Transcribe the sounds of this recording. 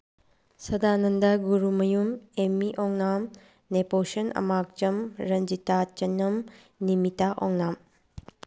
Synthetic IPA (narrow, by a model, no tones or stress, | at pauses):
sɐdanɐndɐɡuɾumɐjumemːiʔɔŋnam | neposɐnɐ̰mak̚t͡ʃɐmɾɐnd͡ʒitat͡ʃɐnːɐm | nimitaʔɔŋnam